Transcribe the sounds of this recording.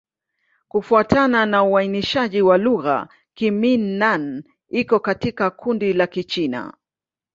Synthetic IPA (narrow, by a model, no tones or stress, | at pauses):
kufuatananauainiʃaʄiwaluɣa̰ | kiminːan | ikɔkatikakʰundilakit͡ʃina̰